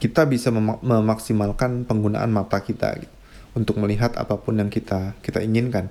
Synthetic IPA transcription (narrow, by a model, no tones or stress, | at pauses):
kit̪abisaməməmaksimalkanpəŋɡuna̰ʔa̰nmat̪akit̪a̰ɡḭt̪ | unt̪ʊk̚məliɦat̪a̰papʊnjaŋkit̪akit̪aiŋɪnkan